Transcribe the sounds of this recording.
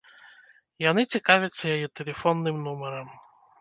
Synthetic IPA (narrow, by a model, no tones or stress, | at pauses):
janɨt͡sʲikavʲɐt̪sːɐjajɛt̪ɛlʲɛfɔnːɨmnumɛɾɐm